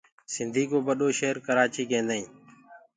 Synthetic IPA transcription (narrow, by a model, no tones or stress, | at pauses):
sɪnd̪ʱiːkoːbəɗoːʃeːɾkəɾaːt͡ʃiːkẽːnd̪aĩː